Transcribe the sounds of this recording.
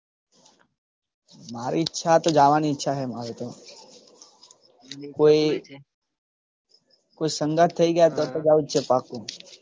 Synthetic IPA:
maːɾiɪtːʃʰat̪od͡ʒaːʋaniɪtːʃʰaɦɛmaːɾet̪o | koːi | koːisə̃ŋɡət̪ʰːəiɡəjat̪ət̪od͡ʒaːut͡ʃʰepaːkːo

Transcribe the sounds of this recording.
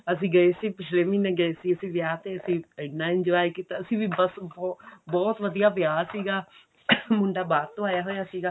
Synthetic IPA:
əs̬ĩːɡəesiːpɪt͡ʃʰleːmɪneːɡəesiːəsĩːʋjaːt̪eːəsĩːɪnːãːɪ̃nd͡ʒaːikit̪aəsĩːʋiːbəsbɔbɔːt̪ʋəd̪ijaːʋjaːsiːɡaː | mʊɳɖaːbaːɾt̪ːõːaːjaːɦoːjaːsiːɡaː

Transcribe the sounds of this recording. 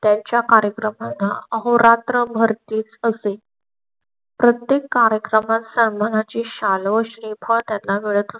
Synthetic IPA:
t̪jaɲt͡ɕjakaɾjəkɾəmanːaəɦoɾat̪ɾəbʱəɾt̪iːt͡səse | pɾət̪jekːaɾjəkɾəmat̪səɾmənat͡ɕiːɕalʋəɕɾepʰəɳt̪jalːaʋeɭət̪əs

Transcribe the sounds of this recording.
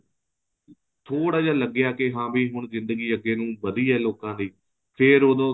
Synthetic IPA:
t̪ʰoːɽaːd͡ʒaːləɡjaːkɪɦãːbʱiːɦʊɳzɪ̃nd̪əɡiːəɡeːnũːʋəd̪iːɦɛːloːkãːd̪iː | pʰɪɾod̪õː

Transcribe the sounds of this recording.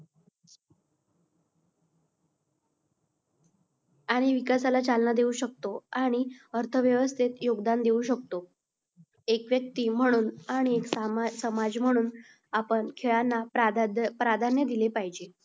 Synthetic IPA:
aɽ̃iʋikasalat͡salnad̪euɕək̚t̪oaɽ̃iəɾt̪ʰəʋjəʋəst̪ʰet̪joɡd̪and̪euɕəkt̪o | ekʋjək̚t̪iːm̤əɽ̃uːnaɽ̃iekssəmad͡zm̤əɽ̃uːn | apəɳkʰeɭanːaapɾad̪ʱanjəd̪ilepaɦid͡ʑe

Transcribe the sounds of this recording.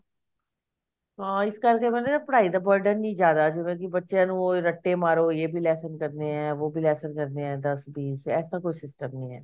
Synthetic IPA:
ɦãːɪskəɾkeːmɛ̃ːnːaːpəɽaːiːd̪aːbəɾɖəɾnĩːd͡ʒjaːd̪aːd͡ʒɪʋẽːkɪbətːʃjãːnũːɾəʈːeːmaːɾoːjeːbʱiːlɛːsənkəɾd̪eːɦɛ̃ːʋoːbʱiːlɛːsənkəɾd̪eːɦɛ̃ːd̪əsbiːsɛːsaːkoːiːsɪsʈəmnĩːɦɛ̰ː

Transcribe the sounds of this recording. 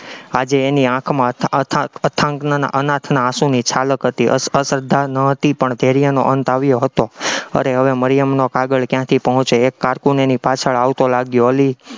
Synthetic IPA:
ad͡ʒeːniãkʰmãt̪ʰət̪ʰãət̪ʰãŋknana̰ʔənat̪ʰnaːsũnit͡ʃʰaləkɦət̪iəəsəɾd̪ʱːanəɦət̪ipəɳd̪ʱeɾijano̰ʔənt̪aʋjoɦət̪oə̰ɾeɦəʋeməɾjəmnokaɡəɭkjãt̪ʰipəɦɔ̃t͡ʃeːkːaɾkunenipat͡ʃʰəɭaʋt̪olaɡjoɦəli

